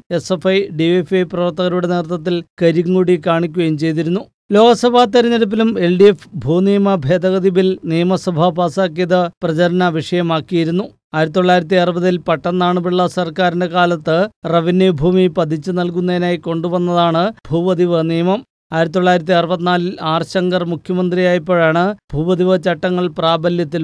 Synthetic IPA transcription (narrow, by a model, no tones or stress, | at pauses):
e̞sefɐjɖiefɐjprɐʋɐrt̪ɐɣɐɾuɽe̞neːrt̪ːɐt̪̬ːilkɐɾiŋːuːɽikaːɳikʲːuɣɐjmt͡ɕe̞jt̪iɾunːu | lo̞ːɣɐsɐbʱaːt̪ːɐɾɐnɐɾup̬ːilume̞lɖiefbʱuːnijɐmɐbʱe̞ːd̪ɐɣɐd̪iʋilnijɐmɐsɐbʱɐbaːsaːk̬ːijɐðɨprɐt͡ɕɐɾɐnɐʋiʂɐjɐmaːkːijiɾunːu | aːjiɾɐt̪ːoɭːaːjiɾɐt̪̬ːiɐrɨbɐðilpɐʈːɐnːaːɳɨbiɭːɐsɐrkaːɾinde̞kaːlɐt̪ːɨrɐʋinjɐbʱuːmipɐd̪ʱit͡ɕːɨnɐlkunːɐðinaːjiko̞ɳɖuʋɐnːɐðaːɳɨbʱuːʋɐd̪iʋɨnijɐmɐm | aːjiɾɐt̪ːoɭːaːjiɾɐt̪̬ːiɐrɨbɐt̪ːinaːlilaːrɕɐŋɡɐrmukʰjɐmɐnd̪rijaːjɐpːo̞ːɻaːɳɨb̥ʱuːʋɐd̪iʋɨt͡ɕɐʈːɐŋːɐɭpraːbɐljɐt̪ːil